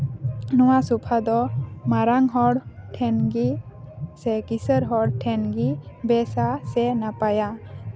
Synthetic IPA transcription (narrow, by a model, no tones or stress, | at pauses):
nuwasupʰad̪ɔmaɾaŋɦɔɽʈʰɛnɡisɛkisəɾɦɔɽʈʰɛnɡibɛsasɛnapaja